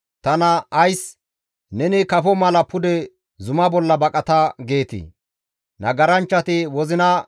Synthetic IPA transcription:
t̪ɐnɐːjs | nɛnɪkɐfɔmɐlɐpʊd̪ɛ | zʊmɐbɔlːɐbɐkʼɐt̪ɐɡe̞ːt̪ḭ | nɐɡɐɾɐnt͡ʃːɐt̪ɪwɔzɪnɐ

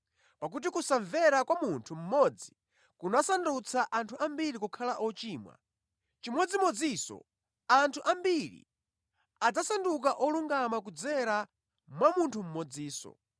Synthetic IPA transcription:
pak̬ut̬ikusaɱvɛɾakwamuntʰum̩mɔd͡zi̥ | kunasandut͡sʰaʔantʰuambiɾikukʰalaʔɔt͡ʃiːmwa̰ | t͡ʃimwɔd͡zimɔd͡zisɔ̰ | antʰuʔambiɾḭ | ad͡zasanduk̬aʔɔluŋɡamak̬ud͡zɛɾa | mwamuntʰum̩mɔd͡ziːsɔ̰

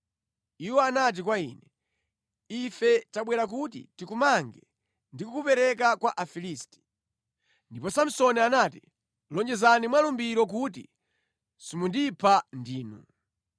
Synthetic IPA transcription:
iwɔanat̬ik̬waḭːnɛ | ifɛtaɓwɛɾak̬ut̬ḭtikumaŋɡɛ | ndikukupɛɾɛk̬akwaʔafilisti̥ | ndipɔsam̩sɔnianati | lɔnd͡ʒɛzanimwalumbiɾɔk̬uti | simundipʰandiːnṵ

